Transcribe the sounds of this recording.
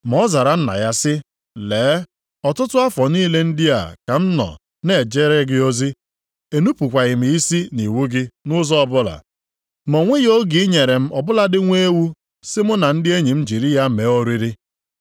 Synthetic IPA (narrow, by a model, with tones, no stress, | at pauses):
m˨ɔ˦za˨ɾa˨n̩˦na̰˨ja˦sɪ˦ | leː˨˦ | ɔ˨tʊ˦tʊ˦a˦fɔ˨niː˦le˦n̩˦dɪ˦a̰˨ka˨m̩˦nɔ̰˨ | ne˦˨d͡ʒe˦ɾe˦ɡɪ˦o˦zi˦ | e˨nu˦pu˨kʷa˨ɣɪ˨m˨i˦si˦ni˨wu˦ɡɪ˦nʊ˦zɔ˦ɔ˦bʊ˦la̰˨ | mɔ˨ŋʷe˦jo˦ɡi˨˦ɲe˨ɾe˨m̩˦ɔ˨bʊ˦la˦dɪ˦ŋʷe˦wu˦ | sɪ˦mʊ˦na˨n̩˦dɪ˦e˦ɲi˨m̩˦d͡ʒi˨ɾi˦ja˦me˨˦o˦ɾi˦ɾi˦